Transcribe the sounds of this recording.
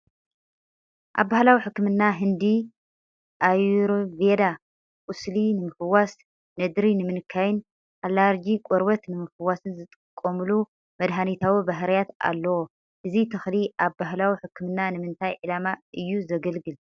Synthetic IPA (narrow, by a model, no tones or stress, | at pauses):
ʔa̰βːahlawiħɨkːɨmɨnːaɦɨnd̪i | ʔajɾved̪a | kʼuslinɨmɨfɨwas | nɐd̪ɾinɨmɨnɨkʰːajɪn | ʔalːaɾd͡ʒikʼɔɾbɐt̪nɨmɨfɨwːasɨnzɨt̪ʼɨɨkʼːomulu | mɐd̪ɦanit̪ʰawibaɦɾɐjat̪a̰lːɐwo | ʔɨzit̪ʰɨxliʔaβbaɦlawiħɨkːɨmɨnːanɨmɨnt̪ʰajʕɨlamaʔɨjːuzɐɡɐlɡɨl